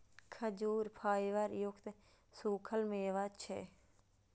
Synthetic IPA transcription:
kʰəd͡ʒuːɾpʰaːjʋəɾjʊkt̪ | suːkʰəlmeːʋat͡ʃʰɛ̰ː

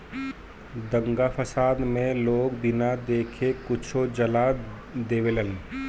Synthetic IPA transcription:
d̪ə̃ŋɡapʰəsaːd̪mẽloːkbɪnad̪eːkʰekʊt͡ʃʰod͡ʒəla | d̪eːʋelən

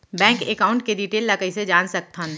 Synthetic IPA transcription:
bɛ̃ːŋkekaːʊ̃ɳʈ̚keɖiːʈeːlːəkəised͡ʒaːnsɐk̚t̪ʰãn

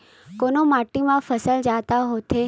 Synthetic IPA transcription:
konomaʈːimãfəsəld͡ʒat̪aɦot̪ʰe

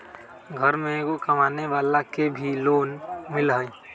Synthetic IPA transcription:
ɡʱəɾmẽkokəmaːneʋaːlakebʱiloːnmɪlɦəĩ

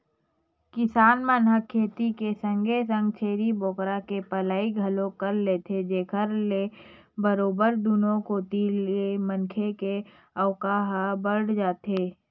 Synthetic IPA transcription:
kɪsaːnmənɦəkʰːeːt̪ikesə̃ŋɡʱesə̃ŋɡ̚t͡ʃʰeːɾiboːkɾakepəlaːiɡʱɐlõkəɾleːt̪ʰed͡ʒeːkʰəɾle | bəɾoːbəɾd̪unõkoːt̪ilemənkʰeke | əʊkaɦbəɽ̤d͡ʒaːt̪eː

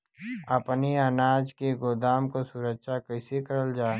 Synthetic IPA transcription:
ɐpniɐnaːd͡ʒkeɡoːd̪aːmkosʊɾəkʃakɐɪsekəɾəld͡ʒaː

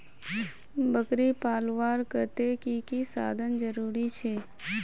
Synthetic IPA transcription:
bəkɾipaːlʋaːɾkət̪ekikisa̰ːd̪ʱənd͡ʒəɾuːɾit͡ʃʰeː

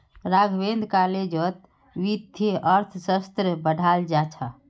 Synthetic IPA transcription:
ɾaɡʱbend̪ʱkaled͡ʒət̪̚ | ʋid̪ʱeəɾt̪ʰsəst̪ɾəbəɖʱald͡ʒat͡ʃʰa

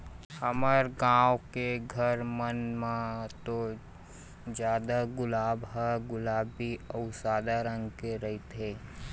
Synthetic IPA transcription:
həməɾɡãːwkeɡʱəɾmənmãt̪o | d͡ʒjaːd̪aɡʊlaːbɦəɡʊlaːbːiəʊsaːd̪aɾə̃ŋɡkeɾɐɦit̪ʰeː

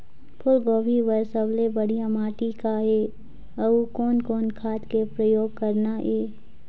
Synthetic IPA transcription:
pʰʊlɡoːbiʋəsəblebəɽijamaːʈikaeː | əukɔːnkɔːnkʰaːt̪kepɾəjoːɡ̚kəɾnaʔeː

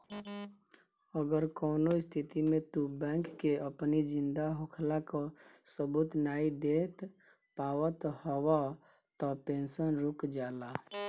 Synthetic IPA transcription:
əɡəɾkɔːnoist̪ʰit̪imet̪ubɛ̃ŋkːeəpnid͡ʒind̪aɦokʰlakɔsəbut̪naid̪et̪ | pawət̪hɔwa | t̪ɔpensənɾukd͡ʒala

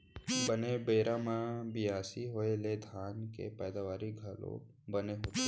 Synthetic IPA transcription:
bənebeːɾãmãbɪjaːsiɦoeled̪ʱaːnkḛpɛːd̪aʋaːɾiɡʱəlo̰ | bəneɦoːt̪e

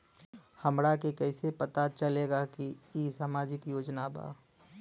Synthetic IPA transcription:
həmɾakekɛːɪsepɐt̪at͡ʃəleːɡakiisaːmaːd͡ʒɪkjoːd͡ʒnaba̰ː

